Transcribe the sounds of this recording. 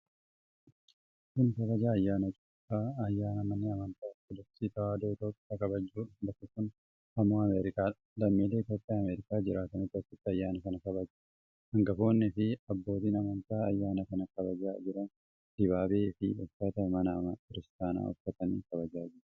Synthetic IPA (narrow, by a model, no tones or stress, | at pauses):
kʊnkɐβɐd͡ʒaːɐjːaːnɐt͡ʃʼopːaːɐjːaːnɐmɐnːɪɐmɐnt̪aːtːɪd̪ɐfsiːt̪ɐwaːd̪oːɪt̪o̞ːpʼːjaːkɐbɐd͡ʒːuːᶑɐ̥d̪ɐkːɐkːʊn | ɐmːoːɐmeːɾɪkaːᶑɐ̥ | lɐmːiːle̞ːt̪o̞ːpʼːjaːɐmeːɾɪkʼjaːd͡ʒɪɾaːt̪ɐnɪt̪ːɐsɪt̪ːɪɐjːaːnɐkɐnɐkɐbɐd͡ʒu | hɐŋɡɐfo̞ːnːɪfɪɐbːo̞ːt̪iːnɐmɐnt̪aːɐjːaːnɐkɐnɐkɐbɐd͡ʒaːd͡ʒɪɾɐn | d̪̥ɪbaːbeːɪfɪ̰ɔfːɐt̪ɐmɐnɐmɐkɪɾɪst̪aːna̰ːɔ̰fɐt̪ɐnḭːkɐbɐd͡ʒaːd͡ʒɪɾ